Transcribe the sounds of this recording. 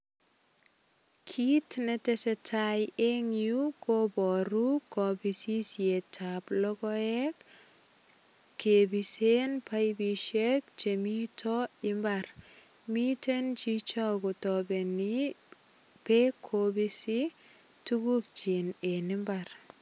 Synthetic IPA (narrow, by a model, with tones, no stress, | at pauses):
kʰi˦tnetesɛtʰaje˦ŋju˦kobɔ˨ɾu˦kɔ˨bisi˦sje˨tʰaplɔ˦kɔɛk | kːe˨bisenpʰa˦jbi˨ʃek̚t͡ʃe˨mi˦tʰɔɪmbar | mi˦tent͡ʃi˦t͡ʃɔ˦ko˨tɔ˨be˨ni˦ | pe˦kʰːobisi˦ | tuku˦k̚t͡ʃi˨ne˨nɪmbar